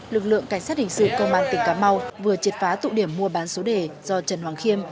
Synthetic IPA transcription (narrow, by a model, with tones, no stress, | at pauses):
lɨ˨˩k̚lɨ̰˧˨əŋka˧˩jŋ̟saː˦˥t̚hï̟˨˩sɨ̰˧˨kə˧wŋ͡mʔaː˧˨nt̪ï˨˩ŋ̟kaː˨˦ma˧wvɨ˨˩ət͡ɕi˨˩t̚faː˨˦t̪ṵ˧˨ɗi˧˩əmːu˧əɓaː˨˦nso˨˦ɗe˨˩z̥ɔ˧t͡ɕə˨˩nhwaː˨˩ŋxi˧əm